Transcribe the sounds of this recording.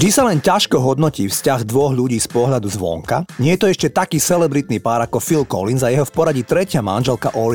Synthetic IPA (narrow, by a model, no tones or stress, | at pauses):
d̪isalɛncaʃkɔɦɔd̪nɔciːfscaɣd̪ʋɔɣʎuɟiːspɔɦʎad̪uzʋɔ̰ŋka̰ɲɪɛjɛt̪ɔɛʃcɛt̪akiːsɛlɛbɾit̪nipaːɾakɔfilkɔ̰linzajɛɦɔfpɔɾaɟit̪ɾɛcɪama̰nʒɛlka̰ʔɔli